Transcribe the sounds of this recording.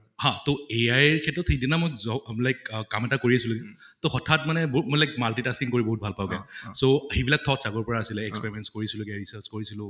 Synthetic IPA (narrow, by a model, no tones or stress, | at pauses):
hãtoeajɹkʰɛtɹɔtʰedinamojzɔlajkkːamɛtakoɹiasilʊkɛtohɔtʰatmanɛbmojlajk̚maltitasiŋkoɹibɔɦut̚bʱalpaʊɡɛsohebilak̚tʰɔksaɡɔɹpɔɹaːsilɛɛkspeɹimɛnskoɹisilʊkɛɹisəɹskoɹisilʊ̃